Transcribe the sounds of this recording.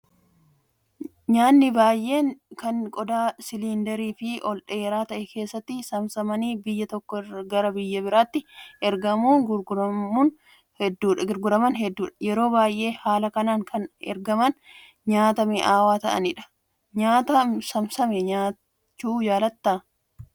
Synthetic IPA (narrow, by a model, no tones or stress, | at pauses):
ɲaːnːɪbaːjʔe̞ːŋkɐnkʼɔd̪aːsɪliːnd̪ɐɾiːfɪɔlᶑɐeːɾaːt̪ɐʔɛkʰe̞ːsːɐt̪ːɪsɐmsɐmɐniːbɪjːɐt̪ɔkːɔɡɐɾɐbɪjːɐbɪɾaːt̪ːɪʔɛɾɡɐmuːŋɡʊɾɡʊɾɐmuːn | hɛd̪ːuːᶑɐɡʊɾɡʊɾɐmɐnɦɛd̪ːuːᶑɐjɛɾoːbaːjʔe̞ːhaːlɐkɐnaːŋkʰɐnɛ̰ɾɡɐmɐn | ɲaːt̪ɐmeʔaːwaːt̪ɐʔɐ̰nɪᶑɐ̥ | ɲaːt̪ɐmsɐmsɐmɛɲaː | t͡ʃːuːd͡ʒaːlɐt̪ːaː